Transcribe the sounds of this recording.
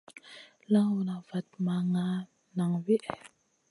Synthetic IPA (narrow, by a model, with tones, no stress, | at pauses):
la˦wu˨na˨va˨t̚ma˨ŋa˦ | na˨ŋwi˦ʔɛ˨